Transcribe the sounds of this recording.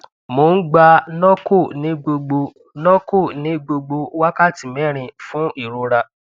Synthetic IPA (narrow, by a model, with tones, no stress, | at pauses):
mo˨˦n̩˦ɡ͡ba˧nɔ̃˦ko˦˨nĩ˨˦ɡ͡bo˧ɡ͡bo˧ | nɔ̃˦ko˦˨nĩ˨˦ɡ͡bo˧ɡ͡bo˧˦wa˦ka˦˨ti˨mɛ̃˨˦˨ɾ̃ĩ˧fũ˦i˦˨ɾo˧ɾa˧